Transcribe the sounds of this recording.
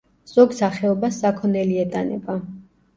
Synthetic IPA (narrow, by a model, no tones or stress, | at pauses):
z̥ɔɡsaχɛɔbasːakʰɔnɛliɛt̪ʼanɛ̰ba